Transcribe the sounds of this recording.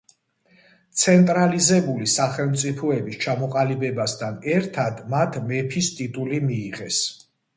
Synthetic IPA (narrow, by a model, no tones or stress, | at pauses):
t̪sʰɛnt̪ʼɾalizɛbulisaχɛlˠmt̪sʼipʰɔɛbist͡ʃʰamɔqʼalibɛbasd̪ʰanɛɾt̪ʰad̪mat̪ʰmɛpʰist̪ʼit̪ʼulimiːʁɛs